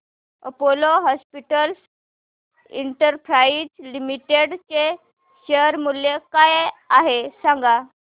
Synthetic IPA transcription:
əpoloɦɔspiʈəls | ḭɳʈəɾpɾaid͡zlimiʈeɽt͡ɕe | ɕeɾmuljekajaɦesãŋɡa

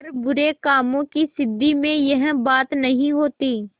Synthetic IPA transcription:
ɾbʊɾekaːmõkisɪd̪ːimẽjɐɦbaːt̪nɐɦĩɦoːt̪iː

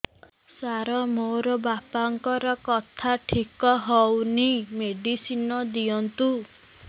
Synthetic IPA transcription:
saɾɔmoɾɔbapaŋkɔɾɔkɔt̪ʰaʈʰikɔɦɔwnimeɖisinɔd̪iɔnt̪u

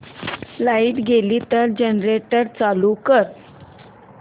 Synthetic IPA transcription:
laiːʈɡeliːt̪əɾd͡ʑənɾeʈəɾt͡salukəɾ

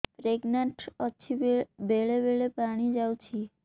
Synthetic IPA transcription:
pɾeɡnaɳʈɔːt͡ɕʰibeɭebeɭepaɽ̃id͡ʑawt͡ɕʰi

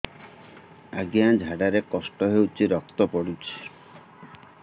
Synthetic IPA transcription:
aɡijãd͡ʒʱaɽaɾekɔsʈɔɦewt͡ʃʰiɾɔk̚t̪ɔpɔɽut͡ʃʰi̥

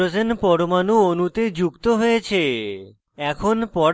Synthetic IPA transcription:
od͡ʑenpɔɾomanuonut̪ed͡ʑukt̪oɦojet͡ɕʰe | ɛkʰonpɔɾ

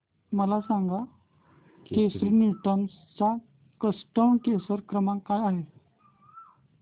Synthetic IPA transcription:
məlasaŋɡa | kesɾənjuʈəms | t͡sa | kəsʈəmkesəɾkɾəmãkajaɦe

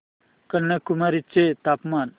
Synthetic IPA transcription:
kənːakumaɾit͡set̪apman

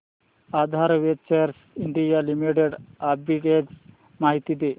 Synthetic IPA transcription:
ad̪ʱaɾʋett͡ʃeɾs | iɳɖijalimiʈeɖabiʈes | maɦit̪id̪e

